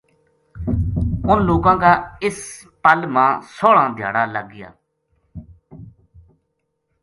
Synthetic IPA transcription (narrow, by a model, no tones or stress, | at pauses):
ʊnloːkãːɡaːɪs | pəlmãːsoːɭãːd̪ʱja̰ːɽaːləɡːɪja̰ː